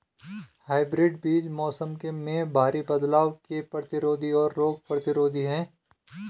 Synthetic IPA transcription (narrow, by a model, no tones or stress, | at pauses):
haːɪbɾɪɖbiːd͡ʒmɔːsəmkemẽbʱaːɾibɐd̪laːʋkepɾət̪ɪɾoːd̪ʱiɔːɾːoːɡ̚pɾət̪ɪɾoːd̪ʱiɦɛ̃ː